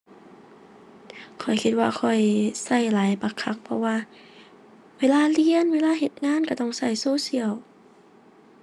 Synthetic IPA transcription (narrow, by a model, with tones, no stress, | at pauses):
kʰɔ˨˩jkʰi˧t̪̚waː˧kʰɔ˨˩jsa˧˩jlaː˨˦jba˧˩kʰa˧˥k̚pʰɔ̰˧waː˧ | weː˧˥˨laː˧˨li˧˨ə˨nweː˧˥laː˧˥˨ɦe˧˩t̪̚ŋaː˧˥˨nka˧˩t̪ɔ˧˩˨ŋsa˧˩jsoː˧˥˨si˧˨əw